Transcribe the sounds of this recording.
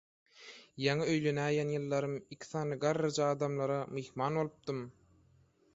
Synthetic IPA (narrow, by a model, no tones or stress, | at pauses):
jɑŋɯø̞jle̞næːjænjɯlˠːɑɾɯmikʰi̥θɑːnɯɡɑɾːɑd͡ʒɑɑːd̪ɑmlˠɑɾɑmexmɑːnβo̞lˠɯp̚d̪ɯm